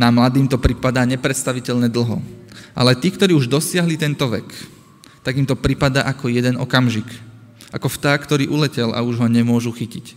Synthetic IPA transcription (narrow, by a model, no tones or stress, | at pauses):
namlad̪iːmt̪ɔpɾipad̪aːɲɛpɾɛt̪st̪aʋicɛʎɲɛd̪l̩ɦɔ̰ʔa̰lɛt̪iːkt̪ɔɾiːuʒd̪ɔsɪaɦlit̪ɛnt̪ɔʋɛ̰k | t̪aɡimt̪ɔpɾipad̪a̰ːʔakɔjɛd̪ɛnɔ̰kamʒik | ʔakɔft̪aːkt̪ɔɾiːʔulɛcɛlʔa̰uʒɦɔɲɛmʊɔʒuxicic